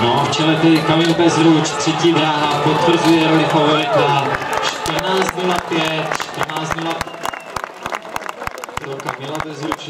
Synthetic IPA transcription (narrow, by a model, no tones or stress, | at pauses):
noft͡ʃɛlɛt̪ɛdɪkamɪnbɛzɾut͡ʃt̪r̥ɛciːd̪ɾaɦapot̪vr̩zujɛɾolɪfovɛɛk̪at͡ʃt̪r̩naːzd̪mɛnapjɛt̪ʃt̪r̩naːzmɛna | ɾokamɛlabɛzɾut͡ʃ